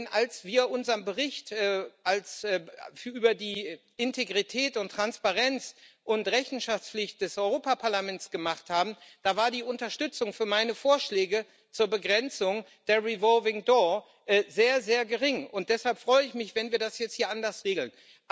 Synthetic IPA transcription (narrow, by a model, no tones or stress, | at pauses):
nʔalsv̥iːɐʔʊnzɐnbəʁɪçtʔɛːʔalsɛːʔyːbɐdiː | ʔɪntʰeɡʁitʰɛːtʊntːʁ̥anspaʁɛnt͡sʔʊntʁɛçn̩ʃaft͡sflɪçt̚d̥ɛsʔɔʏʁoːpapʰaɐlamɛntt͡sɡ̥əmaχthaːbm̩d̥aːvaːɐdiːʔʊntɐʃtʏt͡sʊŋfyːɐmaɪnəfoːɐʃlɛːɡə | t͡suːɐbəɡʁɛnt͡sʊŋ | d̥eːɐʁivɔlvɪŋdɔɐ | ʔɛzeːɐzeːɐɡəʁɪŋʊnt̚d̥ɛshalpfʁ̥ɔʏəɪçmɪçv̥ɛnviːɐdasjɛt͡sthiːɐʔandɐsʁeːɡl̩n